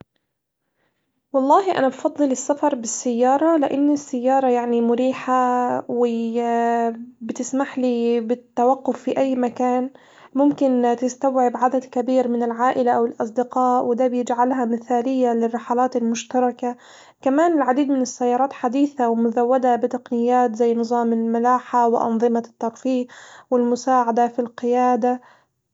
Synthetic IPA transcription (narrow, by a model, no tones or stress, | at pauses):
wɑlˤːɑːɦiʔa̰nabfɑd̪ˤːɨlɪsːafɑɾˤbɪsːajːɑːɾˤɑlɪʔanːisːajːɑːɾˤɑjaʕnimʊɾiːħawɪ | bɪt̪ɪsmaħlibɪt̪ːawaqːʊfːiʔajːmakaːn | mʊmkɪnt̪ɪst̪awʕɪbʕad̪ad̪kabiːɾmɪnɪlʕaːʔɪlaʔawɪlʔɑs̬ˤd̪ɪqɑːʔwɪd̪aːbjɪd͡ʒʕalɦamɪθaːlɪjːalɪrːɪħalaːt̪ɪlmʊʃt̪ɑɾˤɑka | kamaːnɪlʕad̪iːd̪mɪnɪsːajːɑːɾˤɑːt̪ħad̪iːθawɪmʊzawːad̪abɪt̪ɑqnɪjːaːt̪zajːnɨzˤɑːmɪlmalaːħawɪʔɑ̰nðˤɨmat̪ːɑɾˤfiːqwɪlmʊsaːʕad̪afilqɪjaːd̪a